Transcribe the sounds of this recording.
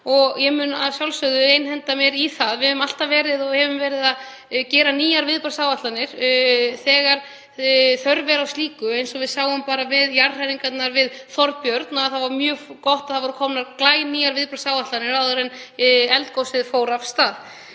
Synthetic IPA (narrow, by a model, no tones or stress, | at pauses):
ɔɣjɛmʏnaðsjawlsœðʏejnhɛnt̪amjɛɾiθaðvɪhɛvʏmal̥t̪avɛːɾɪðɔhɛvʏmvɛːɾɪðað | cɛːɾaniːjaɾvɪðpaɾsaːwvaht̪lanɪɾ̥θɛːɣaɾ̥ | θœɾvɛɾawst̪iːkʏejnsɔvɪðsaːwʏmpaːɾavɪðjarr̥aɾiŋkat̪naɾvɪðθɔɾpjœɾt̪naaðθavaɾmjœːkɔht̪aðθavɔɾʏkʰɔmnaɾklaːjniːjaɾvɪðpɾḁsaːwvaht̪lanɪɾawðʏɾɛnɛlt̪̚kowsɪðfoːwɾavst̪aːð